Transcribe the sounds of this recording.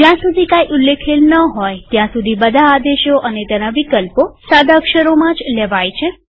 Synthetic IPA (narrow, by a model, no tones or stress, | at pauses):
d͡ʒjãsud̪ʱikajʔulːekʰelnəɦojt̪jãsud̪ʱibəd̪ʱaːd̪eʃoʔənet̪ɛnaʋikəlposad̪ʱakʃəɾomãd͡ʒleʋajt͡ʃʰe